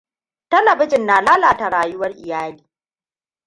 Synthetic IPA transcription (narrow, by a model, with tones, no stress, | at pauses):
tɐ˦lɐ˨bɪ˦d͡ʒɪ˨nːaː˨laː˦laː˨ta˨ɽaː˨jʊ˦wɐ˦rʔɪ̰˨jaː˦liː˨